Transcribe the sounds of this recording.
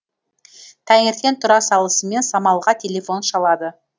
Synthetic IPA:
t̪ʰæŋɪɾk̪ʲe̞nt̪ʰʊɾɑsɑlˠəsəme̞nsɑmɑlˠʁɑt̪ʲʰe̞lʲe̞fo̞nʃɑlˠɑd̪ə

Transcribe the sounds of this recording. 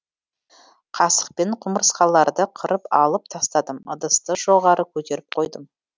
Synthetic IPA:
qʰɑsə̥q̚pe̞ɴqʰʊməɾsqɑlˠɑɾd̪əqʰəɾəpɑ̰lˠəp̚t̪ʰɑst̪ɑd̪əmə̰d̪əst̪əʒo̞ʁɑɾəkʲʰɵt̪e̞ɾɪp̚qʰo̞jd̪əm

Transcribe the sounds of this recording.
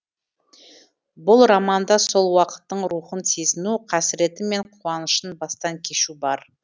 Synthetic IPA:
bʊlˠɾɑmɑnd̪ɑso̞lˠwɑqə̥t̪ːəɴɾuχənsʰezɪnuqʰɑsɪɾe̞t̪ɪme̞ɴqʰuɑnəʃənbɑst̪ɑŋkʲʰe̞ʃubɑɾ

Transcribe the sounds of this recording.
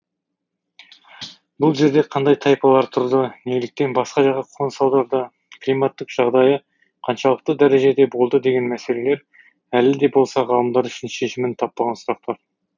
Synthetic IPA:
bʊlˠʒe̞ɾd̪e̞qʰɑnd̪ɑjt̪ʰɑjpɑlˠɑɾt̪ʰʊɾd̪əneɡɪlɪk̚t̪e̞nbɑsqɑʒɑʁɑqʰonsɑwˠd̪ɑɾd̪ə | klijmɑt̪ːɪqʒ̥ɑʁd̪ɑjə | qʰɑnʃɑlˠəq̚t̪əd̪æɾe̞ʒe̞d̪e̞bo̞lˠd̪əd̪e̞ɡʲe̞nmæse̞le̞le̞ɾ | ælɪd̪e̞bo̞lˠsɑʁɑlˠəmd̪ɑɾʏʃɪnʃe̞ʃɪmɪnt̪ʰɑpːɑʁɑnsʊɾɑq̚t̪ɑɾ

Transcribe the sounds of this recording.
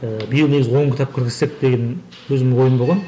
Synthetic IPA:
əbijəlˠneɡʲɪzʲwo̞ɴkʰʲɪt̪ɑp̚kʲʰɪɾɡʲɪzse̞k̚d̪̥e̞ɡʲen | wɵzɪmɪnwo̞jəmboʁɑn

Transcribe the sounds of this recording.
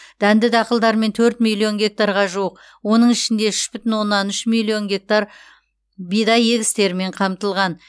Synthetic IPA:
d̪̥ænd̪ɪd̪ɑqəlˠd̪ɑɾme̞nt̪ʰɵɾt̪mʲilʲˠːijo̞nɡʲe̞k̚t̪aɾʁɑʒuəq | wo̞nəɴɪʃɪnd̪e̞ʏʃpʏt̪ɪnwo̞nːɑnʏʃmilʲˠːijo̞nɡʲe̞k̚t̪aɾ | bijd̪ɑje̞ɡʲɪst̪e̞ɾɪme̞ɴqʰɑmt̪əlˠʁɑn

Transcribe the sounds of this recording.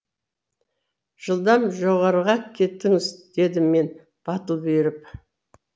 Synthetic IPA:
ʒ̥əlˠd̪ɑmʒo̞ʁɑɾʁɑkʲʰe̞t̪ːɪŋɪzd̪̥e̞d̪ɪmmːe̞n | b̥ɑt̪əlˠbe̞ɾɪp

